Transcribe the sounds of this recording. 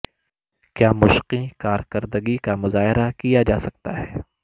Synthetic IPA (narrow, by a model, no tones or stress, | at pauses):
kjaːmʊʃqikaːɾkɐɾd̪əɡikamʊzaːɦɪɾakijad͡ʒaːsɐk̚t̪aɦɛː